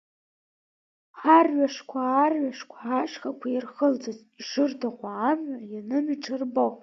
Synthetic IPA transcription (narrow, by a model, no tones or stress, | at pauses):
ħarɥʷaʂkʷʰaːrɥaʂkʷʰaaʂχakʷʰajɪrχəld͡zaz | iʂɨrdʰaqʷaːmʕajanɨmiʈ͡ʂʰʼɨrbow